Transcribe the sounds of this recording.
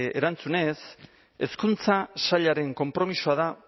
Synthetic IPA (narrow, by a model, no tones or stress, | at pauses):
eɾant͡sune̞s | e̞skunt͡sasaʎaɾe̞ŋko̞mpɾo̞misoaða